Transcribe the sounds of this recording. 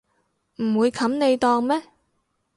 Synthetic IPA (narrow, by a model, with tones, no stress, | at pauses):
m̩˨˩wuː˨˧jkʰɐ˨˥mne˨˧jt̪ɔː˧ŋmɛː˥